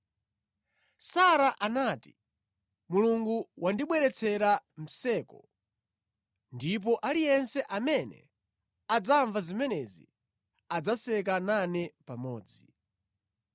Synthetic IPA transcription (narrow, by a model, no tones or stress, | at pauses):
saɾaʔanaːti | muluŋɡuwʔandiɓwɛɾɛt͡sʰɛɾam̩sɛːkɔ | ndip̬ɔʔalijɛnsɛʔamɛnɛ̰ | ad͡zaɱvazimɛnɛzḭ | ad͡zasɛk̬ananɛpamɔːd͡zi